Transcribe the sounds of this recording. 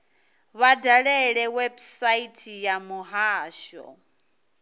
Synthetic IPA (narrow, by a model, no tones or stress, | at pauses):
βadaɺɛɺɛwɛbsaitʰijamuɦaːʃɔ̰